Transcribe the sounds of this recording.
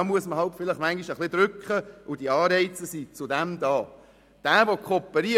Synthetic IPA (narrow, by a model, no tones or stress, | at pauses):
ɑmuəsməɦɑltfɪləχmæŋɡiʃəχlɪd̥̪ɾʏkχəʔʊd̥iɑːɾɛɪt͡səsit͡sʊdɛmdɑː | d̥æːʋokʰɔpːəɾi